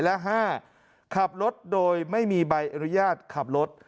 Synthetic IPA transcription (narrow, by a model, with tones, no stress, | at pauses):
lɛ˦˥ɦaː˥˩ | kʰa˨˩p̚ɾo˦˥t̪̚doː˧jma˥˩jmiː˧ba˧jʔa˧nu˦˥jaː˥˩t̪̚kʰa˨˩p̚lo˦˥t̪̚